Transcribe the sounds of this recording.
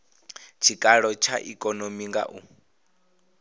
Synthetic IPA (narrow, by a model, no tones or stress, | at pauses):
t͡ʃʰikʼaɺɔt͡ʃʰa̰ʔikʼɔnomiŋɡa̰ʔu